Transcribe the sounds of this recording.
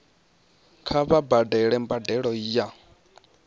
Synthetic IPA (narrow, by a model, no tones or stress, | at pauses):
kʰaβabadɛɺɛmbadɛɺɔiːja